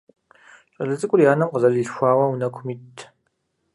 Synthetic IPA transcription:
ɕʼɐɮɨzʼɨkʷʼʊrjaːnɐmqəzɐɮiɬxʷaːwɐwunɐkʷʰʊmiːtʰ

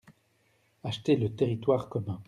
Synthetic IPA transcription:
aʃt̪elət̪eʁit̪waʁkɔmɛ̃

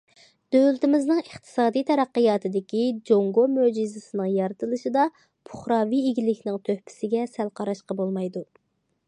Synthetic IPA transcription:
d̪̥ølt̪ɪmɪznɨŋəχt̪ʰɨ̥sɑːd̪ijt̪ʰɛɾæqːəjɑːt̪ʰɨd̪ɪkʲid͡ʒoŋɡomød͡ʒizɪsɨnɨŋjɑɾɨt̪ʰɨlˠɨʃid̪ɑ | pʰʊχɾɑːvieɡʲilɪkʲʰnɪŋt̪ʰøhpʰɪ̥sɪɡʲɛsælqʰɑɾɑʃqɑbolˠmɑjd̪u

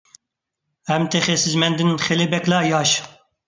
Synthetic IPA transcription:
ɛmt̪ʰɛxesɨzmɛnd̪ɨnxelebɛklɑːjɑːʃ

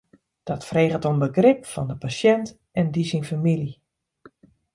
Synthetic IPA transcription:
d̥ɔtfreːɣətonbəɡrɪp̚fɔndəpasjɛnt | ɛndisinfamili

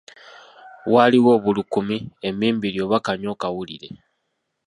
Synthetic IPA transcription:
waliwo̞ːβulukumiemiːmbiɾjo̞ːβakaɲo̞ːkawuliɾe

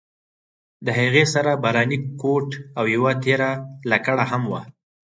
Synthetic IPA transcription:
d̪əɦaɣesaɾabaɾɑnikoʈawjawat̪eɾalakaɽaɦamwa̰

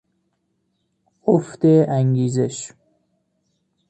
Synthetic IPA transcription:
oft̪eʔæŋɡiːzeʃ

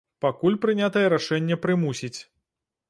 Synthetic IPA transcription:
pakulʲpɾɨnʲat̪ɐjɛɾaʂɛnʲːɛpɾɨmusʲit͡sʲ

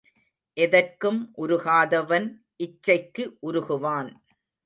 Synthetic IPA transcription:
ʔɛðɐrkɯmʔʊɾʊɣaːðɐʋɐn | ʔɪt͡ʃːɐɪkːɯʔʊɾʊɣɯʋaːn

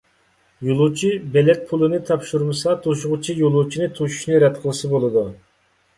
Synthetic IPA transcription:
jolˠut͡ʃʰibɛlɛt̪̚pʰulˠɨnɨt̪ʰɑpʃuɾmɨsɑt̪ʰoʃʊʁʊt͡ʃʰijolˠut͡ʃʰinɨt̪ʰuʃu̥ʃnɨɾɛt̪qʰəlˠɨsɨbolˠɨd̪u

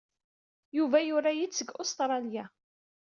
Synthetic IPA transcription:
juvæjʊɾajit͡sːəɡost̪ɾˤɑlja

